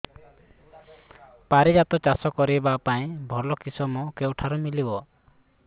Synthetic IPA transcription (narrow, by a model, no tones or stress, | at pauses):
paɾid͡ʒat̪ɔt͡ʃasɔkɔɾibapaĩbʱɔlɔkisɔmɔkewʈʰaɾɔmilibɔ